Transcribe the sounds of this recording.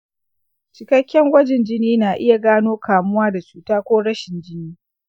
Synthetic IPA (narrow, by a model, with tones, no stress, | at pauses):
t͡ʃɪ˨kɐ˦kʲːɛ˦ŋɡʷɐ˦d͡ʒɪ˨nd͡ʒɪ˦niː˦naː˨ʔɪ˦ja˨ɡaː˦noː˦kʰaː˨mʊ˦waː˦da˨t͡ʃuː˨taː˦kʷoː˦ɽɐ˦ʃɪ˨nd͡ʒɪ˦niː˦